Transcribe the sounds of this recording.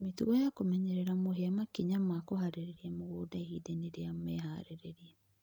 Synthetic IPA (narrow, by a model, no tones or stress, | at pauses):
mituɣɔjakomɛɲɛɾɛɾamoɦeamakiɲamakohaɾeɾeɾiɛmoɣoːdaehideneɾeamɛɦaɾeɾeɾiɛ